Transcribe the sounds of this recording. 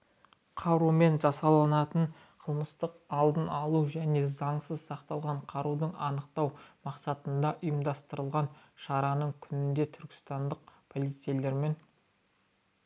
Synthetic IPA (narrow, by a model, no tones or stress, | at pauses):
qʰɑɾume̞nʒɑsɑlˠɑnɑt̪əɴ | qʰəlˠməst̪əqɑlˠd̪ənɑlˠuʒæne̞zɑɴsəzsɑqt̪ɑlˠʁɑɴqʰɑɾud̪əɴɑnəqt̪ɑwmɑqsɑt̪ənd̪ɑʔʊjəmd̪ɑst̪əɾəlˠʁɑnʃɑɾɑnəɴkʲʰʏnɪnd̪e̞t̪ʰʏɾkʲɪ̥st̪ɑnd̪əq̚pʰo̞lˠijt̪sijle̞ɾme̞n